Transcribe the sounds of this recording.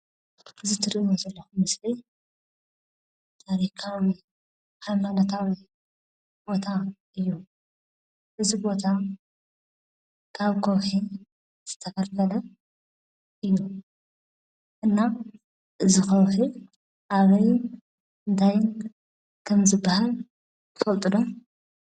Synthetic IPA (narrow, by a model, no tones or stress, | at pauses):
ɨzɨt̪ʰɨɾiʔiwozɐlːɐxumɨsli | t̪ʰaɾikʰawi | ħajmanɐt̪ʰawi | bo̞t̪ʰa | ɨjːu | ʔɨzibo̞t̪ʰa | kʰaβkʰowħi | z̥ɨt̪ʰɐfɐlfɐlɐ | ʔɨjːu | ʔɨnːa | ʔɨzixɐwħi | ʔaβɐj | ɨnt̪ʰajn | kʰɐmzɨbːahal | kʰɨ̥fɐlt̪ʼɨd̪o